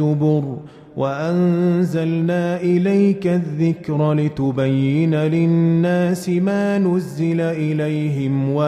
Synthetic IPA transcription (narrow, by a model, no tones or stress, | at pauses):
ʊbʊɾ | wʔaʔanzalnaːʔɪlajkaðːɪkɾalɪt̪ʊbajːɪnalɪnːaːsɪmaːnʊzːɪlaʔɪlajɦɪmwa